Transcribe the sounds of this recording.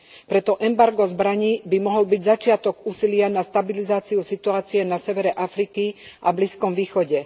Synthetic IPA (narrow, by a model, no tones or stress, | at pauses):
pɾɛt̪ɔʔɛmbaɾɡɔzbɾaɲiːbimɔɦɔlbiɟzat͡ʃɪat̪ɔɡuːsilɪanast̪abilizaːt͡siusit̪uaːt͡sijɛnasɛʋɛɾɛʔafɾikiʔabliskɔmʋiːxɔɟɛ